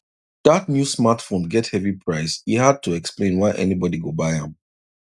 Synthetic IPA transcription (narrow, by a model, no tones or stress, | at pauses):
ð̥ətnjusmatfõnɡɛthɛvipʰɹaɪshihad̚tʰuɛksplẽnwaɪʔɛ̰nibɔdiɡobaɪãm